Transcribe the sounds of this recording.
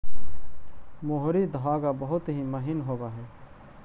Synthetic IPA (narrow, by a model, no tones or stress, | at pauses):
moɦɾid̪əʋaːɡabəɦʊt̪ɦiməɦɪnɦoːɡaːɦɛː